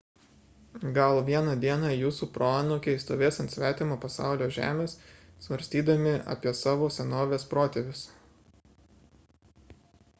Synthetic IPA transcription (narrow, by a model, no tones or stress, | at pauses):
ɡɐlˠʋʲiɛnɐd̪ʲiɛnɑjuːsuːpɾoɑːnokʲɛɪst̪oːʋʲeːsɐnt̪sʲʋʲæːt̪ʲɪmoːpɐsɑ̰ˑʊlʲoːʒʲæ̰ːmʲeːssʋɐɾʲsʲt̪ʲiːd̪ɐmʲɪɐ̰pʲiɛsɑːʋoːsʲɛnoːʋʲeːspɾoːt̪ʲeʋʲɪs